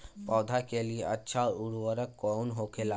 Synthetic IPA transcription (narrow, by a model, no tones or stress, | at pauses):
pɔd̪ʱakelieʔətːʃʰauɽwəɾəkːɔnɦokela